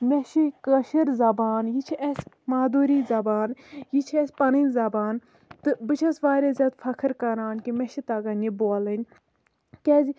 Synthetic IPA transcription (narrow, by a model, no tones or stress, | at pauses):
mʲɛʃikɐʃɐɾzɐbaːnjit͡ʃʰiʔɛs | maːd̪uːɾiːzɐbaːnjit͡ʃʰɛsʲpɐnɨnʲzɐbaːn | t̪ɨbɨt͡ʃʰɐsʋaːɾʲezʲɐt̪fʰɐkʰɨɾkɐɾaːnkimɛʃit̪ɐɡɐniboːlɨnʲ | kʲɛːzi